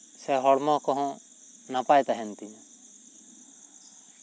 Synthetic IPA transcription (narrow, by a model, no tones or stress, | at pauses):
sɛɦɔɽmɔ̃kɔɦɔ̃ | napajt̪aɦɛnt̪iɲa